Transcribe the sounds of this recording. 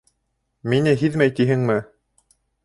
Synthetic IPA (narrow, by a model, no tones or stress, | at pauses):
minɘɦiðmæjt̪iɦɘŋmɘ